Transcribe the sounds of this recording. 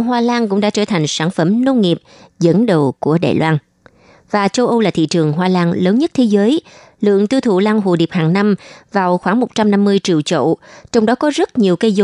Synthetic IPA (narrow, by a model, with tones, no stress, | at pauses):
ɦwaː˧laː˧nkʊ̰˧˥ŋ͡mɗa̰ː˧˥t͡ɕəː˧˩t̪ʰa˨˩jŋ̟saː˧˩nfə˧˩mno˧nŋi˨˩əp̚zə̰˧˥nɗə˨˩wku˧˩əɗa̰ː˨˩jlwaː˧n | vaː˨˩t͡ɕə˧wʔə˧wlaː˨˩t̪ʰḭ˧˨t͡ɕɨ˨˩əŋɦwaː˧laː˧nləː˨˦nɲə˦˥t̚t̪ʰe˨˦zəː˨˦j | lɨ̰˧˨əŋt̪ɨ˧t̪ʰu˧˨laː˧ŋɦṵ˧˨ɗi˨˩p̚haː˨˩ŋna˧mvaː˨˩wxwaː˧˩ŋmo˨˩t̚t͡ɕa˧mna˧mːɨ˧əjt͡ɕi˨˩əwt͡ɕo̰˧˨t͡ɕɔ˧wŋ͡mɗɔ˨˦kɔ˨˦zə˦˥t̚ɲi˨˩əwkə˧jzo˨˧˦